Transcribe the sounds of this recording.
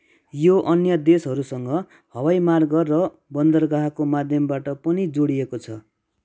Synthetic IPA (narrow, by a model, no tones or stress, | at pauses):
joʔʌnjʌd̪esɦʌɾusʌŋɡʌ | hʌwajmarɡʌrʌ | bʌnd̪ʌrɡaɦakomad̪ʱjʌmbaʈʌpʌnid͡zoɽiekot͡sʰʌ